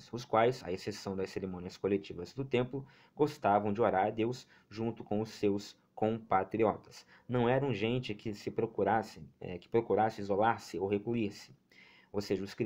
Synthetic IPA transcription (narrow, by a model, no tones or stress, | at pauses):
sʊskwajzɐ̰esesɐ̃w̃d̪ɐseɾemõniɐskolet͡ʃivɐzd̪ʊt̪ẽmplʊ | ɡost̪avɐ̃w̃d͡ʒɪoɾaɾd̪ews | ʒũnt̪ʊkõw̃ʊsːews | kõpat̪ɾiɔt̪ɐ̥s | nɐ̃w̃ɛɾɐ̃w̃ʒẽnt͡ʃɪkʰɪsɪpɾokuɾasɪɛ̰kɪ̥pɾokuɾasɪizolaɾsɪowɦekluiɾsɪ̥ | owseʒɐʊsk